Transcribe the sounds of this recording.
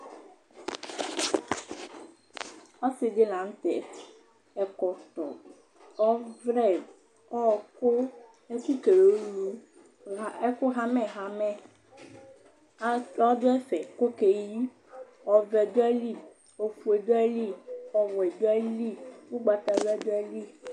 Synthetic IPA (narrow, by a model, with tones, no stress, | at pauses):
ɔ˦se˨de˦lã˨ŋ̩˦t̪ɛ̰˨t | ɛ˨kɔ˨t̪ɔ̰˨ | ɔ˦vɾɛ˦˨ | ɔ˦˨ko˦ | e˦t̪u˦t̪e˨lo˨˦lu˦˨ | ɛ˦ko˦ɦa˦mɛ̃˨ɦa˦mɛ̃˦ | ɔ˦d̪o˦ɛ˦fɛ˨ko˦ke˨ji˦ | ɔ˨vɛ˨d̪o˦ɛ˦li˦˨ | o˨fu˨e˨d̪o˦ɛ˦li˦ɔ˦wɔ˨e˨d̪o˦ɛ˦li˦˨wu˦ɡ͡ba˨t̪a˨dɛ˦d̪o˦ɛ˦li˦